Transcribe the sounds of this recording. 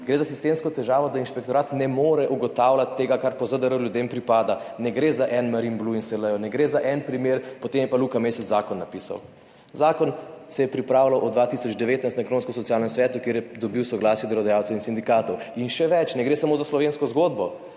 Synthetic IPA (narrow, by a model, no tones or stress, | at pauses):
ɡɾezasist̪emskɔt̪ɛʒaːʋɔd̪ainʃpɛkt̪ɔɾaːt̪nɛmoːɾɛʔuɡɔt̪awlat̪ːeːɡakaɾpɔzəd̪əɾəwljud̪empɾipaːd̪anɛɡɾezaʔɛnmaɾinbluinsɛləjɔnɛɡɾeːzaʔɛnpɾimeɾpɔt̪emjɛpaluːkamesɛzakɔnːapisa̰w | zaːkɔnsɛjɛpɾipɾaːwlawʔɔd̪ʋat̪isɔd͡ʒd̪ɛʋeːt̪najst̪naɐɛkɾoːnskɔs̬ɔt̪sijaːlnɛmsʋɛːt̪ukjeːɾjɛd̪ɔbiwsɔɡlaːsjɛd̪əlɔd̪ajawt̪swinsind̪ikaːt̪ɔwinʃɛʋɛt͡ʃnɛɡɾeːsamozaslɔʋenskɔzɡoːd̪bɔ